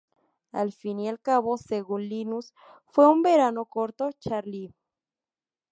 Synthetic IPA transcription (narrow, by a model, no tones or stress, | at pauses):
a̰lfinialkaβoseɣunlinus | fweumbeɾanokoɾt̪ot͡ʃaɾli